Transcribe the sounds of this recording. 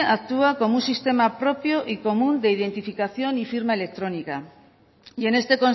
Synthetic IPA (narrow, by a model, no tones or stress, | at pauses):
ak̚t̪uako̞munsist̪e̞mapɾopjoʔiko̞mũnd̪e̞iðe̞nt̪ifikaθjonifiɾmaele̞k̚t̪ɾonika | ie̞ne̞st̪e̞kon